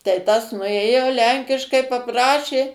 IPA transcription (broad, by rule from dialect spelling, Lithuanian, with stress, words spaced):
tɐɪ ˈtɐs nʊˈeːjoː ˈlʲɛŋʲkʲɪʃkɐɪ pɐˈprɑːʃʲeː